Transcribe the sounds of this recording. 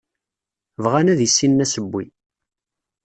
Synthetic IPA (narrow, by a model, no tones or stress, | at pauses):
vʁanæðisːinːæsəbːi